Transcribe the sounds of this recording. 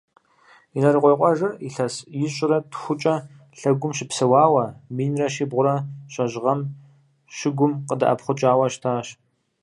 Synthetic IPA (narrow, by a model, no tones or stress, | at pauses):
inɐrɨqʷɔjqʷʼɔʒɐiɬɐsjɪɕʼɪrɐtxʷʊt͡ʃʼɐ | ɬɐɡʷʊmʃɪpsɐwɑːwɐmiːnrɐʃiːbʁʷʊɾɐɕʼɐʑʁɐm | ɕɪɡʷʊmqədɐ̰ʔɐ̰pχʷʊt͡ʃʼaːwɐʃtʰaːɕ